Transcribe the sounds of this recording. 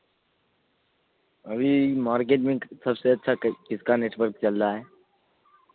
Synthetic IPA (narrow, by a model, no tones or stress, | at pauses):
ɐbʱimaːɾk̬eːʈmɪ̃ŋksɐbseɐtːʃʰakɪskaneːʈʋəɾkt͡ʃɐlt̪aɦɛː